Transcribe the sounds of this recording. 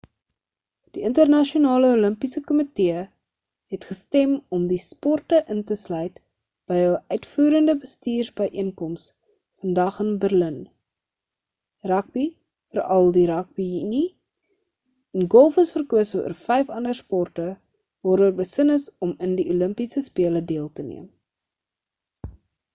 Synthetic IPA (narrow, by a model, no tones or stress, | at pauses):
d̥iəntərnɐʃionɑːləuləmpisəkɔmiteə | ɦɛtχəstɛmɔmdispɔrtəʔəntəslœɥt | b̥əjəwʔœɥtfuːɾəndəbəstiːrsbəjʔiənkɔms | fəndɐχənbərlən | rɐk̚b̥i | fərɐlˠdiɾɐk̚bijini | ɛnɡɔlˠfəsfərkuəsəṵərfɛjfɐndərspɔrtə | vɑːɾuəːrbəsənəsɔməndiuləmpisəspiələdiəlˠtənḭəm